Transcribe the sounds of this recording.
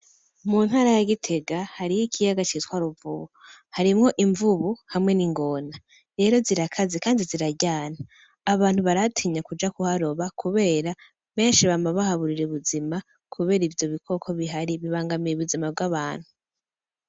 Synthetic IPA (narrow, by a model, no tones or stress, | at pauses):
munhaːɾajaɡitʰe̞ɡahaɾijikʰijaɡat͡ʃitwaːɾuvuβuhaɾimŋo̞ʔiɱvuβuhamŋe̞niŋɡo̞na | ɾe̞ːɾo̞ziɾakʰazikaːndiziɾaɟaːnaː | βaːn̥huβaɾatʰiːɲakud͡ʒakuhaɾo̞βakʰuβe̞ːɾa | βe̞ːnʃiβamaβahaβuɾiɾeβuzima | kʰuβe̞ːɾivjo̞βikʰo̞kʰo̞βiɦaɾiβiβaːŋɡamijeβuzimab̚ɡaβaːn̥hu